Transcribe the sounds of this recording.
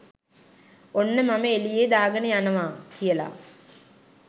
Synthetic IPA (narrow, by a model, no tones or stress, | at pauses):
onːəmaməelijeːd̪aːɡənəjanəʋaːkijəla̰